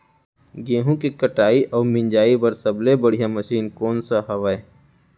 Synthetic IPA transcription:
ɡẽːɦũkikəʈaːiʔɔːɾmɪ̃ɲd͡ʒaːibɐɾsɐblebəɽ̤ijaməʃiːnkɔːnsaɦɐʋae

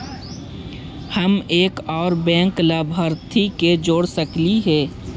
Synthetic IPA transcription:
həmeːkɔːɾbɛ̃ːŋklaːbʱəɾt̪ʰiked͡ʒoːɽsəkliɦɛː

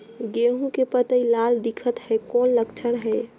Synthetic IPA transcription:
ɡeɦũkepət̪əilald̪ikʰət̪hɛkonləkt͡ʃʰəɽ̃ɦəj

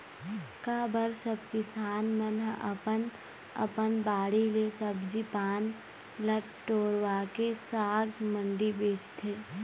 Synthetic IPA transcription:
kaːbəɾsəbkɪsaːnmənəpən | ə̰pənbaːɽilesəbd͡ʒipaːn | ləʈʈoːɾʋaːkesaːɡmə̃ɳɖibeːt͡ʃt̪ʰeː

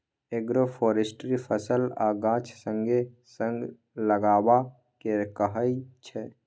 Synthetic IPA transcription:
eɡɾopʰoːɾesʈɾipʰəsəlaːɡãːt͡ʃʰsə̃ŋɡe | sə̃ŋɡ | ləɡaːba | kekəɦəit͡ʃʰɛ

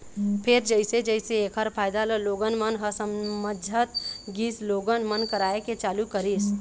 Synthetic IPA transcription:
pʰeɾd͡ʒəɪsed͡ʒəɪseekʰəɾpʰajd̪aləloɡənmənɦəsəmməd͡ʒʱət̪ɡisloɡənmənkəɾaeket͡ʃalukəɾis

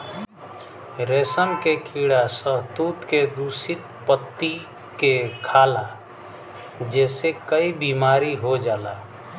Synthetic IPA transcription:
ɾeːsəmkekʰiːɽasəɦt̪uːt̪ked̪uːsit̪̚pət̪ːi | kekʰaːla | d͡ʒɛːsekəibiːmaːɾiɦod͡ʒaːlaː

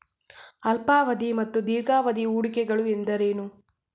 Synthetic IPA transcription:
ɐlpaːʋɐd̪imɐt̪ːud̪iːɾɡaːʋɐd̪iuːɽikɛɡɐɭuend̪ɐɾeːnu

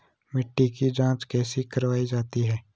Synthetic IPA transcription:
mɪʈːikid͡ʒãːt͡ʃkɛːsikɐɾʋaːid͡ʒaːt̪iɦɛː

